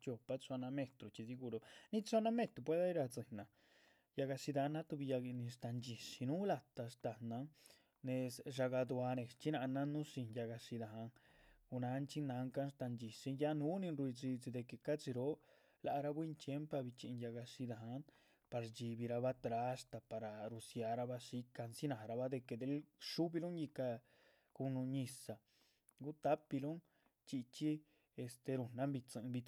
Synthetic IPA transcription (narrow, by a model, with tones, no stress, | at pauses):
t͡ʃo˧pa˧t͡sʷa˧na˧me˧t̪ɾo˨t͡ʃi˧si˧˦ɡu˧ɾo˧ni˦t͡sa˦˧na˦me˦˧t̪ɾo˧p̬we˦d̪a˦i˦ɾa˧t͡si˨nːa˨ | ja˧ɡa˧si˧d̪a˧nːa˦t̪u˧bi˧ja˧ɡi˧ni˧ʂt̪a˧nd͡ʒi˨ʂi˧nu˦la˧t̪a˧ʂt̪a˨na˧˦ŋ | ne˧sʐa˧ɡa˧d̪wa˧ne˨st͡ʃi˦na˧na˦nu˦si˧nja˧ɡa˧si˧d̪a˨a˧ŋ | u˧na˧˦nt͡ʃi˦na˧ŋka˦nʂt̪a˧nt͡ʃi˨si˧˦ja˦nu˦ni˧nɾwi˧d͡zi˧t͡si˧d̪e˧ke˧ka˦t͡si˧ɾo˦ | la˧ʔa˧ɾa˧βwi˦nt͡ʃje˦mpa˧βi˧t͡ʃi˧ja˧ɣa˧ʂi˧d̪a˧ɦã˧˦n | pa˧ɾd͡ʒi˧βi˧ɾa˧βa˦t̪ɾa˧˦˧ʂt̪a˧pa˧ɾa˧ɾu˧sja˧ɾa˧βa˦ʂi˦ka˧nsi˦nã˨˧ɾa˧βa˦d̪e˧ke˧d̪e˧˦lʂu˦βi˧lũ˦ŋji˧ka˧ | ku˧nũ˧ɲĩ˧sa˧ | ɡu˦t̪a˦pi˧lũ˦ŋ | t͡ʃi˧t͡ʃi˦ | e˧st̪e˧ɾu˧nnã˦mbi˧t͡sɨ̃˧ʔbi˧